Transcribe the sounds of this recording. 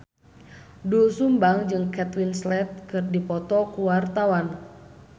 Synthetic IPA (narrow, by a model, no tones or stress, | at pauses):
dusumbaŋd͡ʒɨŋkɛt̪winslɛt̪̚kɨrdipɔt̪ɔkuwart̪awan